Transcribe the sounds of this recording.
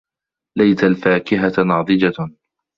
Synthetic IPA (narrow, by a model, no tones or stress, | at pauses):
lajt̪alfaːkɪɦanɑːd̪ˤɨd͡ʒa